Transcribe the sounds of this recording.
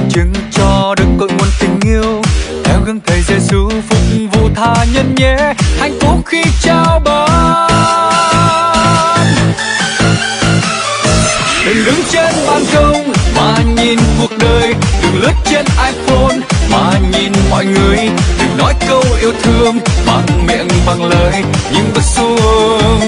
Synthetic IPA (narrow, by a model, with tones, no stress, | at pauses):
t͡ɕɨ˨˦ŋt͡ɕɔ˧ɗɨ˨˩ŋ̚k̪o̰˧˨jŋu˨˩ənt̪ï˨˩ŋ̟i˧əwt̪ʰɛ˨˦wɣə˧nt̪ʰə˨˩jzɛ˧˩zɨ˧˦fʊ˨˩k͡p̚vṵ˧˨t̪ʰaː˧˩ɲə˧nɲɛ˧˦t̪ʰa˨˩jŋ̟fo˨˦xi˧t͡ɕaː˧wɓaː˨˩ | n | ɗɨ̰˨˩ŋɗɨ˨˦ŋt͡ɕe˧nɓaː˨˩nkə˧wŋ͡mmaː˨˩ɲi˨˩nku˨˩ək̚ɗəː˨˩jɗɨ˨˩ŋlɨ˦˥ət̚t͡ɕe˧nʔaː˧jfo˧nmaː˨˩ɲi˨˩nmɔ̰˧˨jŋɨ˨˩əjɗɨ˨˩ŋnɔ˨˦jkə˧wʔi˧əwt̪ʰɨ˧əŋɓa˨˩ŋmḭ˧˨ənɓa˨˩ŋləː˨˩jɲɨ˧ŋɓə˨˦˥t̚su˧